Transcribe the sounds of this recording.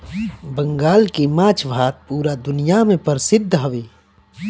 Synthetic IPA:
bə̃ŋɡaːlkemãːt͡ʃʰʋʱaːt̪̚puːɾad̪ʊnijamẽpəɾsɪd̪ʱːɦɐʋeː

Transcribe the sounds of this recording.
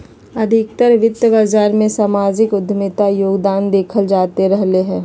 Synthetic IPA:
ɐd̪ʱɪk̚t̪əɾʋɪt̪jəbaːzaːɾmẽsaːmaːd͡ʒɪkʊd̪ʱmɪt̪ajoːɡd̪aːnd̪eːkʰəld͡ʒaːt̪eɾɛɦleɦɛ̃ː

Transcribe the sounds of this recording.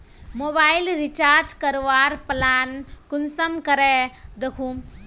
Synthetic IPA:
mobaːjlɾit͡ʃaːɾd͡ʒkɐɾʋaːɾplaːnkunsɐmkɐɾed̪ekʰuːm

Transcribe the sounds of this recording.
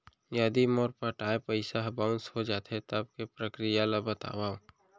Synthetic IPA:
jəd̪imoːɾpəʈaːepəɪsaɦbaːʊ̃nshod͡ʒaːt̪ʰet̪əb̚kepɾəkɾijalabət̪a̰ːwaːo

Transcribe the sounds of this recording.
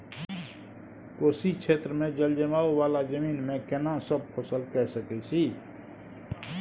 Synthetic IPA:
koːsikt͡ʃʰet̪ɾəmẽd͡ʒəld͡ʒəmaːuwalad͡ʒəmiːnmẽkenãsəb̚pʰəsəlkɛsəkɛsʰi

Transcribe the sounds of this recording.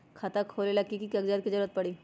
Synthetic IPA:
kʰɐt̪akʰoːlelakikikɐɡd͡ʒaːd̪̚kid͡ʒɐɾuːɾət̪̚pɐɽiː

